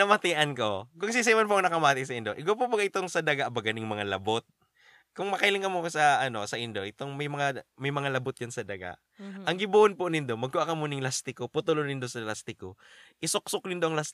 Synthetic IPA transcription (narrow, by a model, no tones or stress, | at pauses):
nɐmɐt̪ɪʔɐnkokʊŋsisajmɐnpoʔɐŋnɐkɐmaːt̪ɪsɐʔɪnd̪oʔɪk̬awpobɐɡaʔɪt̪oŋsɐd̪ɐɡaʔbɐɡɐnɪŋmɐŋalɐbot̪̚ | kʊŋmɐkɐilɪŋkɐmosɐʔɐno̞sɐʔɪnd̪o̞ʔɪt̪oŋmɐjmɐŋamɐjmɐŋalɐbot̪̚jɐnsɐd̪ɐɡa̰ʔ | ʔɐŋɡɪbuːʔonponɪnd̪omɐɡkːʊʔakɐmunɪŋlast̪ɪkoput̪ʊlonɪnd̪osɐlast̪ɪkoʔɪsoksʊk̚nɪnd̪oʔɐŋlas